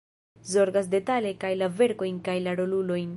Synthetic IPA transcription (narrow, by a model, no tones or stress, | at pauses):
zo̞ɾɡas̬de̞tale̞kajlave̞ɾko̞jnkajlaɾo̞lulo̞jn